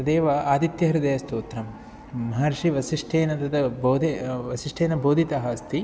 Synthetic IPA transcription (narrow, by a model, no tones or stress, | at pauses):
ɐd̪eːʋɐaːd̪it̪jɐɦɐɾɐd̪eːjɐst̪oːt̪ɾɐmː | ɐɦɐɾʂiʋɐsiʂʈʰeːnɐd̪ɐd̪ɐboːd̪ʱeʋɐsiʂʈʰeːnɐboːd̪ʱit̪ɐɦɐst̪i